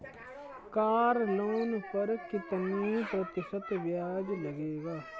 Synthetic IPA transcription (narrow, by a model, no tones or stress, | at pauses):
kaːɾloːnpəɾkɪt̪niːp̪ot̪ɪsət̪ʋjaːd͡ʒləɡeːɡaː